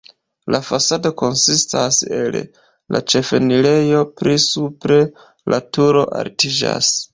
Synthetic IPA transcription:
lʔafasado̞ko̞nsistase̞l | la̰t͡ʃe̞fe̞nile̞jo̞pɾisupɾe̞ | lʔatuɾo̞̰ʔa̰ɾtid͡ʒa̰s

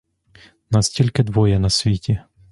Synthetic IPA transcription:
nɑstʲilʲkɪd̪ʋɔjɛnɐsʲʋʲitʲi

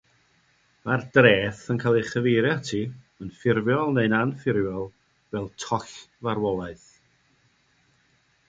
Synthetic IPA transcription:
mardreːθənkʰaːlˠeχəveɾjatʰiː | ənfɪrvjɔlˠnejnanfɪɾjɔlˠ | vɛlˠtʰɔɬvaɾwɔlˠaɨθ

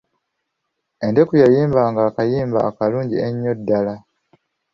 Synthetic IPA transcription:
e̞nde̞kujajiːmbaːŋɡaːkajiːmba̰ːkaluːɲɟieɲːo̞dːala

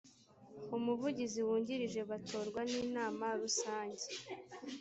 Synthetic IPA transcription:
umuvuɟiziwuːɲɟiɾiʒe̞βatʰoːɾɡwaniːnaːmaɾusaːɲɟe

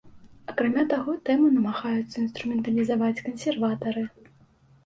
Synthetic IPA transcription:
ɐkɾamʲat̪aɣɔt̪ɛmɨnɐmaɣajut̪sːɐinst̪ɾumʲɛnt̪ɐlʲizavat͡sʲkɐnsʲɛrvat̪ɐɾɨ

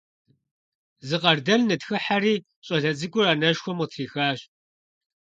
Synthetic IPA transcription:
zɨqɐrdɐlnɨtxɨħaɾiː | ɕʼɐɮɐt͡sʼɨkʷʼʊraːnɐʃxʷɔmɨtʰiːxaːɕ

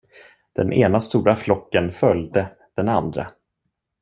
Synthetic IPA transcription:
d̪̥ɛ̰nʔeːnast̪uːɾaflɔkːənfœljd̪ə | d̪̥ɛnand̪ɾa̰

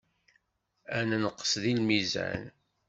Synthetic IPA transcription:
ænnəqːə̥sðilmizæ̰n

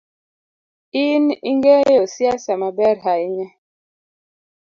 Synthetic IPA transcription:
inḭŋɡɛjosjasamabɛɾɦaiɲɛ

